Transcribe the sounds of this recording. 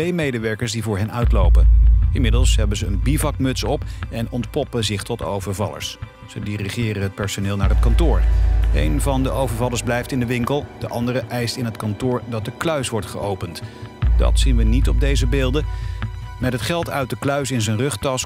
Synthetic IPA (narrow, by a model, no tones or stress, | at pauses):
tejmejdəʋɛɹkəɹsdivʊːɹɦɛnœɥtlowpənɪnmɪdəlˠsɦɛbəzəənbivɑkmɵtsɔpʔɛnɔntpɔpəzɪχtɔto̰wvəɹvɑ̰lə̰ɹs | sədiriχɪːrənɦət̚pɛɹsonɪːlˠnaːɹɦətkɑntʊːɹḛjnvɑndəʔowvəɹvɑlˠəɹzblɛjftɪndəʋɪŋkəlˠd̥əʔɑ̰ndəɾəʔɛjstɪnɦətkɑntʊːɹdɑt̚dəklœɥsʋɔɹtχə̰ʔowpəntd̥ɑ̰tsinʋənitɔb̚dejzəbeːlˠdə | mɛtɦətχɛlˠtœɥt̚dəklœɥsɪnzənrɵχtɑs